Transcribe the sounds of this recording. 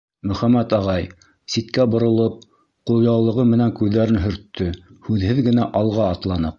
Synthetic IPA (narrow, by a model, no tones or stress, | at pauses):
mɵ̆χæmæt̪ɑʁɑj | sit̪kæbŏɾŏlˠɤp̚ | qulˠjɑwlˠɤ̆ʁɤmɘ̆næŋkʉðːæɾɘnɦɵ̆ɾt̪ʰːɵhʉðhɘðɡɘ̆næʔɑlˠʁɑːt̪lˠɑnɤq̚